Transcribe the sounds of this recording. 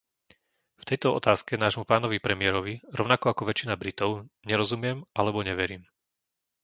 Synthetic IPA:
ft̪ɛjt̪ɔɔ̰t̪aːskɛnaːʒmupaːnɔʋipɾɛmɪɛɾɔʋiɾɔʊnakɔakɔʋɛt͡ʃinabɾit̪ɔʊɲɛɾɔzumɪɛmalɛbɔɲɛʋɛɾiːm

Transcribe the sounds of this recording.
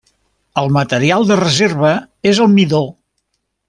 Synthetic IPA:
əlˠmət̪əɾialˠd̪ərəzeɾβ̞ə | ezəlˠmiðo

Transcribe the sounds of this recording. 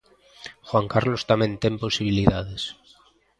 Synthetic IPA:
xwaŋkaɾlost̪amẽnt̪emposiβ̞iliðaðes

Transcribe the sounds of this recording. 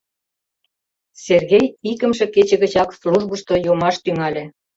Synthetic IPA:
serɣejikə̆mʃĕket͡ɕə̆ɣə̆t͡ɕɑksluʒbə̆ʃt̪ojomɑʃt̪yŋɑlʲĕ

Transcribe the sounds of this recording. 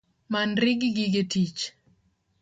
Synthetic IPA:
manɾɪɡɪɡɪɡetit͡ʃ

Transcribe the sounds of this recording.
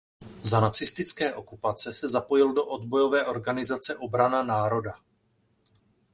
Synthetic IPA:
zanat͡sɪst̪ɪt͡skɛːʔo̞kupat͡sɛsɛzapo̞jɪldo̞ʔo̞dbo̞jo̞vɛːʔo̞ɾɡanɪzat͡sɛʔo̞bɾananaːɾo̞da

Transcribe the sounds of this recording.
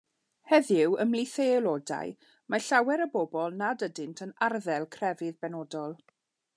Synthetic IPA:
hɛðɪwʔəmlˠiθeɛlˠoda̰j | maɬawɛɾəbɔbɔlˠnadədɪntʰənarðɛlˠkʰrɛvɪðbɛnɔdɔlˠ

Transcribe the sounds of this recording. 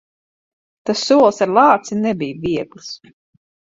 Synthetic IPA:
t̪asːuɔlˠsaɾlˠɑːt̪sinɛbijviɛɡlˠs

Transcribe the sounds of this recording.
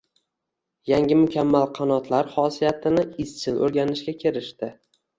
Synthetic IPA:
jaŋʲɪmʊkʲʰamːalˠqʰɑnɒt̪ʰlaɾχɒsijat̪ʰɪnɪɪst͡ʃʰɪlʔɵ̰ɾɡʲanɪʃɡʲakʲʰeɾɪʃt̪ɪ

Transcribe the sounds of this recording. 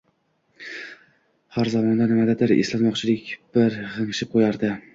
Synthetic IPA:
haɾzamɒnd̪anɪmad̪ad̪ɪɾḛslat̪mɒqt͡ʃʰɪlɪkʲb̥ɪɾʁɨŋɨʃɪp̚qʰojaɾd̪ɪ

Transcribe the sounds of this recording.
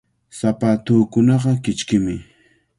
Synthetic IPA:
sapaːt̪uːkʊnɑɢɑkɪt͡ʃkɪmɪ

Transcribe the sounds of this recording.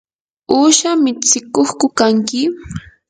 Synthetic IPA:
uːʃamɪt͡sɪkoχkʊkaŋkɪ

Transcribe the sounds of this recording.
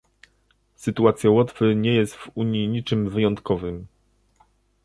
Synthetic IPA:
sɘt̪uat̪sʲjawɔt̪fɘɲɛjɛst̪v̥uɲiɲit͡ʂɘmvɘjɔnt̪kɔvɘm

